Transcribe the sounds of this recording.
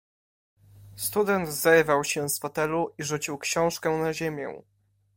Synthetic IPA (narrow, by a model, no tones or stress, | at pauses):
st̪ud̪ɛnd̪zɛɾvawɕɛ̃sfat̪ɛluʔiʐut͡ɕiwkɕɔ̃w̃ʂkɛ̃naʑemʲjɛ̰̃